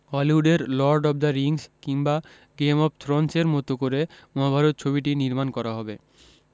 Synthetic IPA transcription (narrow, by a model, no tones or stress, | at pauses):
ɔliuɖeɾlɔɾɖɔb̚d̪aɾiŋskiŋba | ɡemɔpt̪ʰɾɔnseɾmɔt̪okoɾemɔɦabʱaɾot̪̚t͡ɕʰobiʈiniɾmankɔɾaɦɔbe